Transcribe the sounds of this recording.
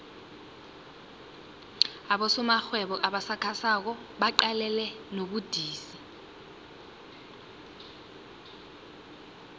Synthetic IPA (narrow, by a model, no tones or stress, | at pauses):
aɓɔsɔmaxwɛɓɔʔaɓasakʰasak̬ɔ | ɓaǃalɛlɛ | noɓud̥ʱiːsi̥